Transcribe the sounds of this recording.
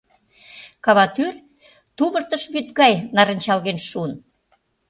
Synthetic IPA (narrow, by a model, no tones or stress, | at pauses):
kɑβɑt̪yr | t̪uβə̆rt̪ə̆ʃbyt̪ɣɑjnɑɾə̆nʲt͡ɕɑlɣenʃuən